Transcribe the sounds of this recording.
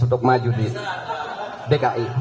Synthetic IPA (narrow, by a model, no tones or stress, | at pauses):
ut̪ɔk̚mad͡ʒudi | dɛkaʔim